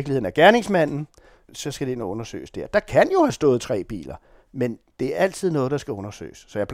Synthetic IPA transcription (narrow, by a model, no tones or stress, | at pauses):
ɡliheðˠn̩æɐɡ̥æɐne̝ŋsmæn̰n̩ | sɒ̽sɡ̥æd̥e̝enɔ̽nɐsø̰ːɪsd̥eɐ̰d̥ɑ̈kʰænjo̝hæsd̥ɔ̽ːð̩ˠt͡sʰʁɛ̰ːb̥ḭːlɐ | mend̥e̝æɐʔæl̰t͡sʰið̞̰ˠnɔ̽ːðˠd̥ɑ̈sɡ̥æɔ̽nɐsø̰ːɪɪsːɒ̽jɑpʰl